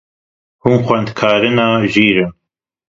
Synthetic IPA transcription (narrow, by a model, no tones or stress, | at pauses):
huːnxʷɛnd̪kʰaːɾɨnɑːʒiːɾɨn